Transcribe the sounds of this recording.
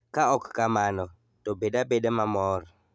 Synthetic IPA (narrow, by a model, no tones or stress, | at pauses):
kaɔkːamanɔ | tobedabedemamɔr